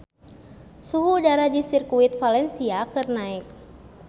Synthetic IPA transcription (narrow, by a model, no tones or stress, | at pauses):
suɦudaɾadisirkuit̪̚falɛnsiakɨrnaik̚